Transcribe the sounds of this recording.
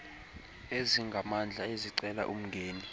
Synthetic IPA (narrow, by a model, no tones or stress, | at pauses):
eziŋɡʱamand͡ɮʱaeziǀɛla̰ʔum̩ŋɡʱeːni